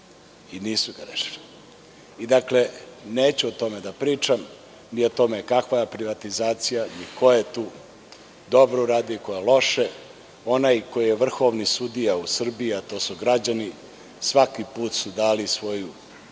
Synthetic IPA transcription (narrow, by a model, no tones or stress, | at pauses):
iniːsuɡaɾḛʃi̥li | id̪akle̞neːt͡ɕuot̪o̞med̪apɾiːt͡ʃam | niot̪o̞mekakʋajepɾiʋat̪izaːt̪sijaniko̞jet̪uː | d̪o̞bɾouɾaːd̪iliko̞jelo̞ʃe | o̞najko̞jijeʋr̩xo̞ʋnisud̪ijausr̩biiat̪oːsuɡɾad͡ʑani | sʋakipuːt̪sud̪aːlisʋo̞ju